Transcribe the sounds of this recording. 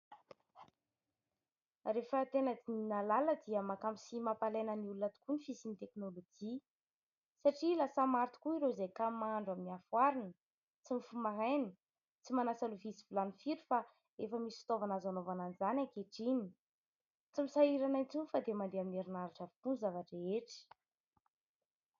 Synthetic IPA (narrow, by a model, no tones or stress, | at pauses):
refət̪enəd̪ininalaləd̪iəmakamisimapalenəniulunat̪u̥kunifisinit̪eknolod͡ʒi | saʈ͡ʂilasamaɾt̪i̥kuiɾozejkamaaɳɖ͡ʐaminiafwaɾinə | t͡simifumaɦajni | t͡simanasaluvisivulanifiɾifa | efəmisi̥i̥t̪ovanazanovananizanʲaŋkeʈ͡ʂini̥ | t͡simisaiɾanant͡sunfad̪emand̪eamineɾinaɾaʈ͡ʂavi̥kunzavaʈ͡ʂeeʈ͡ʂi̥